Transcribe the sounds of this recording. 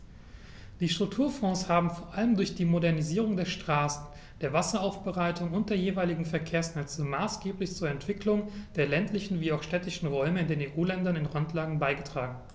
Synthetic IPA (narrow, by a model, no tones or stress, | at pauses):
d̥iːʃtʁ̥ʊk̚tʰuːɐfɔ̃ːshaːbm̩foːɐʔaləmdʊɐçd̥iːmodɛɐniziːʁ̞ʊŋdeːɐʃtʁ̥aːsn̩ | d̥eːɐvasɐaʊfb̥əʁaɪtʊŋʊnt̚d̥eːɐjeːvaɪlɪɡŋ̩fɛɐkʰeːɐsnɛt͡səmaːsɡ̥eːplɪçt͡suːɐɛntv̥ɪklʊŋd̥eːɐlɛntlɪçn̩viːaʊxʃtɛtɪʃn̩ʁɔʏməɪndeːneːʔuːlɛndɐnɪnʁɔntlaːɡŋ̩baɪɡətʁ̥aːɡŋ̩